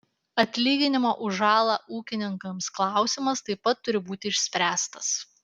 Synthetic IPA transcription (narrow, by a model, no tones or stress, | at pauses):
ɐt̪ʲlʲiːɡʲɪnʲɪmoːʔʊʒɑːlˠɑːʔuːkʲɪnʲɪŋkɐmsklˠɑˑʊsʲɪmɐst̪ɐɪpːɐt̪ːʊɾʲɪbuːt̪ʲɪɪʃʲsʲpʲɾʲæːst̪ɐs